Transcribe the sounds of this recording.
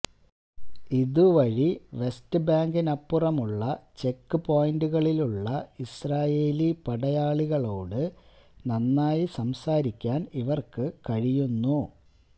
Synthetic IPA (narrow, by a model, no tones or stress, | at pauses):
iðuʋɐɻiʋe̞stɨbaːŋɡinɐpːurɐmuɭːɐt͡ɕe̞kːɨpo̞ːjnduɣɐɭiluɭːɐisraːjeːlipɐɽɐjaːɭiɣɐɭo̞ːɽɨ | nɐnːaːjisɐmsaːɾikʲːaːniʋɐrkɨkɐɻijunːu